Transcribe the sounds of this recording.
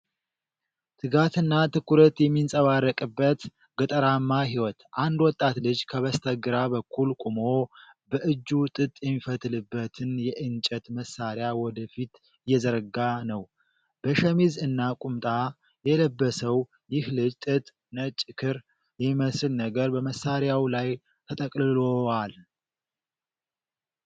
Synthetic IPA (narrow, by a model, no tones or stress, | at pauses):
t̪ʰɨɡat̪ʰɨnːat̪ʰɨkːuɾət̪jɛmːinsʼəβarːəkʼɨbːət̪ | ɡət̪ʼəɾamːaɦiwɔt̪ʔand̪wɔt̪ʼːat̪lɨd͡ʒkʰəβəst̪ʰəɡɨɾaβəkʰːulkʼumo | bəʔɨd͡ʒːut̪ʼɨt̪ʼjɛmːifət̪ʼlɨbːət̪ʰɨnjɛʔɨnt͡ʃʼɛt̪məsːaɾjawɔd̪əfit̪ | jɛzəɾɡanəw | b̥əʃɛmizɨnːakʼumt̪ʼa | jɛləbːəsəw | jɪhlɨd͡ʒt̪ʼɨt̪ʼ | nət͡ʃʼːɨkʰɨɾ | jɛmːiməsɨlnəɡəɾbəməsːaɾjawlaj | t̪ʰət̪ʼəkʼlɨloal